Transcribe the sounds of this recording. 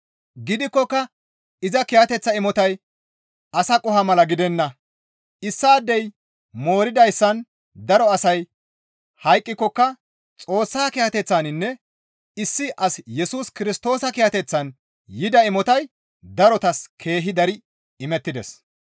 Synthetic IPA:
ɡɪd̪ɪkːɔkːɐ | ɪzɐkɪjɐt̪ɛt͡sːɐɪmɔt̪ɐj | ɐsɐkʼʊhɐmɐlɐɡɪd̪ɛnːɐ | ɪsːaːd̪ːɛj | mo̞ːɾɪd̪ɐjsːɐn | d̪ɐɾɔɐsɐj | hɐjkʼːɪkːɔkːɐ | t͡sʼo̞ːsːaːkɪjɐt̪ɛt͡sːanɪnːɛ | ɪsːɪʔɐsjɛsuːskɪɾɪst̪o̞ːsɐkɪjɐt̪ɛt͡sːɐn | jɪd̪ɐɪmɔt̪ɐj | d̪ɐɾɔt̪ɐskʰe̞ːɦɪd̪ɐɾɪ | ɪmɛt̪ːɪd̪ɛs

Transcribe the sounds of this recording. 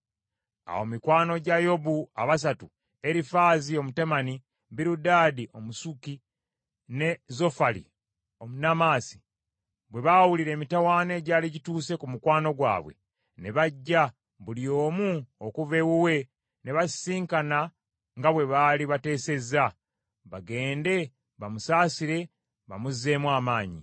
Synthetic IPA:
a̰wo̞mikwaːno̞ɟajo̞bua̰βas̬atu | e̞ɾifaːzio̞mutemani | βiɾudaːdiʔo̞musuki | ne̞zo̞falḭ | o̞munamaːsi̥ | βwe̞βawuliɾeːmitawaːne̞ɟaːliɟituːse̞kumukwaːno̞ɡwa̰ːβwe̞̰ | ne̞βaɟːa | βulio̞ːmuokuve̞wuwe̞ | ne̞βasiːŋkana | ŋɡaβwe̞βaːliβate̞ːse̞za | βaɡe̞ːnde̞ | βamusaːsiɾe̞ | βa̰muze̞ːmwaːmaːɲḭ

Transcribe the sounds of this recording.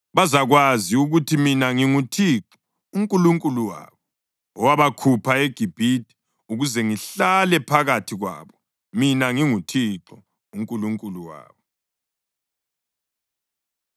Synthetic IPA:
βazaɣwaziuɣutʰiminaŋiŋutʰiǁɔ̥ | uŋkʼuluŋkʼuluwa̰ːβɔ | ɔwaβakʰupʰaeɡ̥ʱib̥ʱidʱʼi̥ | uɣuzɛŋiɬalɛpʰaɣatʰiɣwa̰ːβɔ | minaŋiŋutʰiǁɔ | uŋkʼuluŋkʼuluwa̰ːβɔ

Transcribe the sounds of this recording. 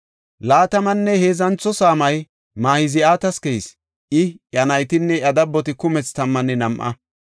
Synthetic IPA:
laːt̪ɐmɐnːɛhe̞ːzɐnt͡sːɔsaːmɐj | maːhɪzɪaːt̪ɐskɛjs | ʔɪʔɐnɐjt̪ɪnːɛʔɐd̪ɐbːɔt̪ɪkʊmɛt͡st̪ɐmːɐnːɛnɐmʔɐ̰

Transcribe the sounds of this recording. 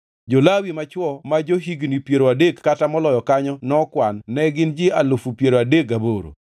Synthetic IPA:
d͡ʒolawimat͡ʃwɔmad͡ʒoɦiɡnipjeɾoadekːatamɔlɔjɔkaɲɔnɔkwanːɛɡɪnd͡ʒɪalofupjeɾoadekaboɾo̰

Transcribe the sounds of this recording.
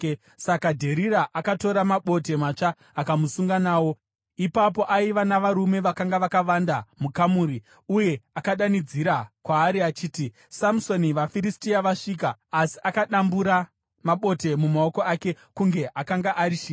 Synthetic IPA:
sakadʱe̞ɾiɾaʔakato̞ɾamaɓo̞te̞mat͡ʂaː | kamusuŋɡanaːwo̞ | ipap̬o̞ʔaiʋanaʋaɾume̞ʋakaŋɡaʋakaʋandamukamuːɾi | uje̞akaɗanid͡ziɾakwaːɾiat͡ʃiːti | samuso̞niʋafiɾistiaʋaʂik̬aːsi̥ʔakaɗambuɾa | maɓo̞te̞mumao̞ko̞ake̞ | kuŋɡe̞ʔakaŋɡaʔaɾiʃiː

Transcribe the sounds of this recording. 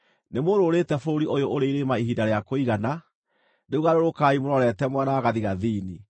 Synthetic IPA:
nemoɾoɾetɛfoɾoɾiʔojoʔoɾeiɾemaiɦidaɾeakoiɣana | neuɣaɾoɾokaːimoɾɔɾɛtɛmwanaːɣaðiɣaðiːni

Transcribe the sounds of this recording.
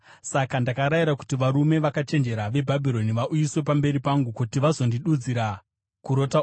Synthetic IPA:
sakandakaɾajiɾaku̥tiʋaɾume̞ʋakat͡ʃe̞nd͡ʒe̞ɾaʋe̞bʱabʱiɾo̞niʋaʔujiswe̞pambe̞ɾipaŋɡukutiʋazo̞ndiɗud͡ziɾa | kuɾo̞ta

